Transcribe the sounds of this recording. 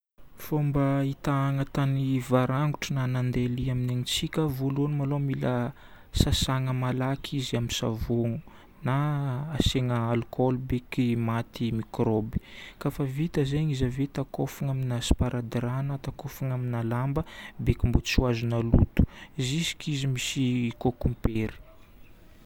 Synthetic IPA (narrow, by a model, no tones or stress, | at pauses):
fombəit̪aːŋət̪anivaɾaŋɡuʈ͡ʂənanand̪eliamineɲit͡sikʲəvolunmalomilə | sasaŋəmalakʰiziamisa̰voŋu | naːseŋəalkʰɔlbekimat̪imikrobi̥kafəvit̪əzeɲizavet̪akofuŋaminasi̥paɾʔad̪iɾanət̪akofuŋaminalambəbekimbut͡suazunəlut̪u̥izisi̥kizimisikokumpeɾi̥